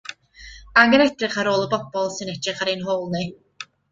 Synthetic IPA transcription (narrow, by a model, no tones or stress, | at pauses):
aɡəɾɛd̥rɪχaɾoːlˠəbɔb̥ɔlˠsɨnɛd̥rɨχaɾenɦoːlˠne